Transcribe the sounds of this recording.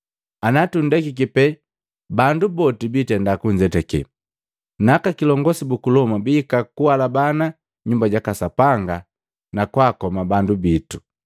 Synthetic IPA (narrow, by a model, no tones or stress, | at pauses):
anatun̩dɛkik̬ipɛ | bandubɔtibitɛndakuɲd͡ʒɛtɛkɛ̰ | nakakilɔŋɡɔsibukulɔmabikakuwalabana | ɲumbaɟakasapaŋɡa | nakwaːkɔmabandubitu